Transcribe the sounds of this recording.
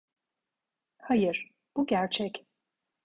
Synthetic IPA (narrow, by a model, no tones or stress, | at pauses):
hajɯɾ̥ | b̥uɟæɾt͡ʃʰɛc